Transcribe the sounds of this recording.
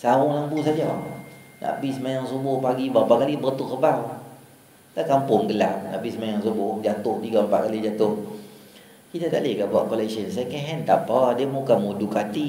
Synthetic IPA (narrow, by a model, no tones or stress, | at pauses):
sawʊŋlambusad͡ʒɔ | nʔa̰ʔbisəmajaŋsubʊhpaɡibapakalibərt̪ʊʔkəbaw | takampʊŋɡəlap̚na̰ʔbisəmajaŋsubʊhd͡ʒat̪ʊht̪iɡampa̰ʔkalid͡ʒat̪ʊh | kit̪at̪a̰ʔlekabaʔkolɛksənsajakɛɦɛnt̪apɔdiamukamudukat̪i